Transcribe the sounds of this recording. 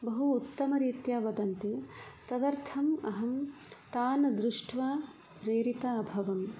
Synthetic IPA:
bɐɦuːt̪ːɐmɐɾiːt̪jaːʋɐd̪ɐnt̪it̪ɐd̪ɐɾt̪ʰɐmɐ̰ɦɐmt̪aːnɐd̪ɾuʂʈʰʋaː | pɾeːɾit̪aːbʱɐʋɐm

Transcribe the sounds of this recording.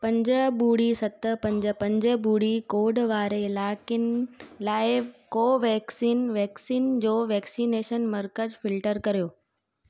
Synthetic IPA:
pɐ̃ɲd͡ʑəbuːɽisɐt̪ə̆pɐ̃ɲd͡ʑə̆pɐ̃ɲd͡ʑəbuːɽikoːɖʋaːɾeɪlaːkɪnlaːɪkoːʋɛːksiːnʋɛːksiːnd͡ʑoːʋɛːksiːneːʃənmɐɾkəzfɪlʈəɾkɐɾijoː

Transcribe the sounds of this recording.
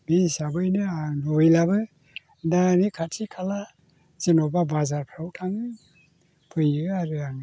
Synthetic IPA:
miisabɯjnɯanojlabɯ | danikʰatʰikʰala | zenɔbabazaɾpʰɾawtʰaŋ | pʰɯjɯaɾɯaŋ

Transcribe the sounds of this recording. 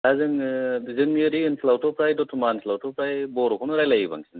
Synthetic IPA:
azɯŋzɯŋeɾiɯnslawtopɾajdɔtʰumanslawtʰɔpɾajbɔɾɔkʰɔnuɾajlajiba̰ŋsʰin

